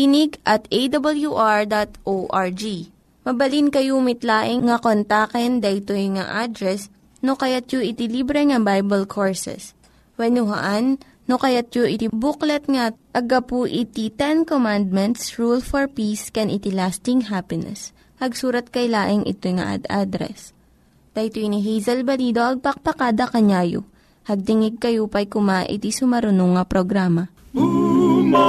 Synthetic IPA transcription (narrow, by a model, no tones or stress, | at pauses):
kinɪɡʔɐt̪ejd̪ɐbɐljuʔaɹd̪at̪ʔoʔaɹd͡ʒi | mɐbɐlinkɐjumɪt̪laːʔɪŋŋɐkont̪akɛnd̪ɐʔɪt̪ojŋa̰ʔad̪ɾɛs | nokɐjat̪̚joʔɪt̪ɪlibɾɛŋɐbajbɐlkʰoɹsɛ̰s | wɛnʊɦɐ̰ʔanː | okɐjat̪̚joʔɪt̪ɪbuklɐt̪̚ŋaʔɐɡɐpuʔɪt̪it̪ɛnkomãnd̪̚mɛnt̪sɹulfɔɹpiskɛnʔɪt̪ilast̪ɪŋɦapɪnɛ̰s | hɐɡsuːɾɐt̪̚kɐjlaːʔɪŋʔɪ̰t̪ojŋa̰ʔa̰d̪ʔad̪ɾɛ̰s | d̪̥ɐt̪oiniɦɛjzɐlbɐliːd̪oʔɐɡ̚pɐk̚pɐkad̪ɐkɐɲaːjo̰ | hɐɡ̚t̪ɪŋɪɡ̚kɐjupɐjkʊmaʔɪ̰t̪isʊmɐɾʊnoŋɐpɾoɡɾaːmɐ